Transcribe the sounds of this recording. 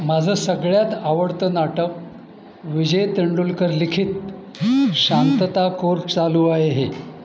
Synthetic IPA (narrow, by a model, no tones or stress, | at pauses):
mad͡zʱəːsəɡɭjat̪aʋəɽt̪ənaʈək̚ | ʋid͡ʑəjt̪əɳɖulkəɾlikʰiːt̪ | ɕant̪ət̪akoɾt͡saluːaɦeɦe